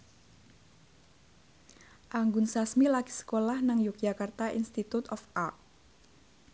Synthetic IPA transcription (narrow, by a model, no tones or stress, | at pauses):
ʔaŋɡʊnsasmilaki̥sə̥kolahnaŋjuk̚ʒ̥akart̪aʔinst̪it̪ut̪ɔfart